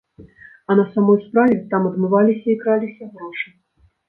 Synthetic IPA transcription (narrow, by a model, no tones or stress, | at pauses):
ɐnɐsamɔjspɾavʲɛt̪amɐd̪mɨvalʲisʲɐikɾalʲisʲɐɣɾɔʂɨ